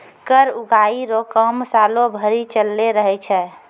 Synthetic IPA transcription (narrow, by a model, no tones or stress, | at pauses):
kəɾuɡaːiɾokəmsaːlobʱəɾit͡ʃəlːeɾəɦɛt͡ʃʰɛ